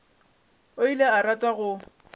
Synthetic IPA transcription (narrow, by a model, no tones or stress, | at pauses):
oileaɾatʼaɣʊ